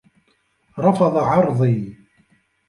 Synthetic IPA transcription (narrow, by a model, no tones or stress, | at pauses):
ɾˤɑfɑðˤɑʕɑɾˤðˤi